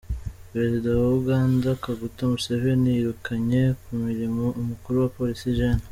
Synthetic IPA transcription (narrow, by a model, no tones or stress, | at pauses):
pɾe̞zidawauɡaːndakaɡutamuse̞ve̞nijiɾukaɲe̞kumiɾimoʔumukuɾuwapo̞ɾisiʒana